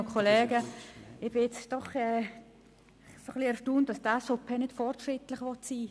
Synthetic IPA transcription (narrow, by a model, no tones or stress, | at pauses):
əkʰɔleːɡəɪb̥ɪjɛt͡sd̥ɔχɛː | soχliɛɾʃtuːnt̚d̥ɑsd̥aːsɔpʰɛnɪd̥fɔrtʃɾɪtlɪχʋɔtsiː